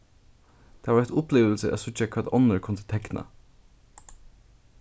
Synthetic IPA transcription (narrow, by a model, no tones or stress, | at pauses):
t̪ʰɛːʋaɾɛt̪ʊpleːʋl̩səʔæ̰sʊtakʰʋɛːd̪ɔnəɹkʰʊnt̪ə̥t̪ʰɛkna̰